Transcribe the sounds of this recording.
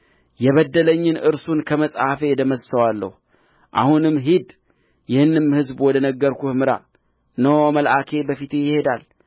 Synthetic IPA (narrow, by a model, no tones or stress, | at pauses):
jɛβəd̪ːələɲːɪnʔɨɾsunkʰəməsʼafed̪əməsːəwalːə̰hu | ʔa̰hunɨmːɦid̪ | jɪhɨnːɨmhɨzbwɔd̪ənəɡːəɾkuhmɨɾa̰ | nəwməlʔakʰe̞bəfit̪jɪhe̞d̪al